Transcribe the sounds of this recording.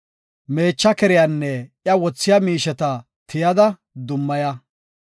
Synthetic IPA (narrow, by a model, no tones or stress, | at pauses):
me̞ːt͡ʃːɐkɛɾɪjanːɛʔjɐwɔt͡sːɪjɐmiːʃɛt̪ɐ | t̪ʰɪjɐd̪ɐ | d̪ʊmːɐjɐ